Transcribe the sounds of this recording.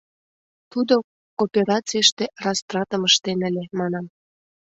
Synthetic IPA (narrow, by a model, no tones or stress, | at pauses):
t̪ud̪o | kopʲeɾɑt͡sijʃt̪erɑst̪rɑt̪əməʃt̪enə̆lʲemɑnɑm